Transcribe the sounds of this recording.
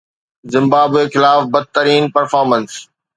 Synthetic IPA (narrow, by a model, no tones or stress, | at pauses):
zɪ̃mbaːbexɪlaːfbɐd̪̚t̪əɾiːnpɐɾfaːɾmə̃ns